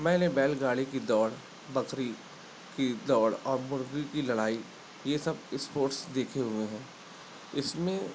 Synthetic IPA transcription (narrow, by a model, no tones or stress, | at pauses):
mɛ̃ːnebɛːlɡaːɽikid̪ɔːɽ | bɐkɾi | kid̪ɔːɽɔːɾmʊɾɡikilɐɽaːi | jesɐbɪspoːɾʈsd̪eːkʰeɦʊeɦɛ̃ː | ɪsmẽ